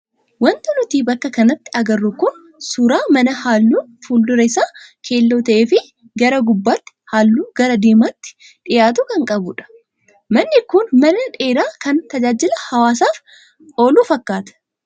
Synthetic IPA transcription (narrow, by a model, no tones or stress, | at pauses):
wɐnt̪ɐnʊt̪iːbɐkːɐkɐnɐt̪ːɪɐɡɐrːʊkʊn | suːɾaːmɐnɐhaːlːuːfuːld̪ʊɾɐɪsaːkʰe̞ːlːoːt̪ɐʔeːfɪ | ɡɐɾɐɡʊbːaːt̪ːɪ̥haːlːuːɡɐɾɐd̪eːmaːt̪ːɪ̥ | ᶑɪjaːt̪̬ʊkɐŋkʼɐbʊᶑɐ̥ | mɐnːɪkʊnmɐnɐᶑe̞ːɾaːkɐnt̪ɐd͡ʒaːd͡ʒɪlɐhɐwaːsaːf | o̞ːluːfɐkːaːt̪ɐ̥